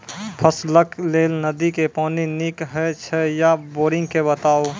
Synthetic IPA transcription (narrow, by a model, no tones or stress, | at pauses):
pʰəsləkʰleːlnəd̪ikepɔːninikɦɛt͡ʃʰɛjaboːɾɪ̃ŋɡ̚kebət̪aːo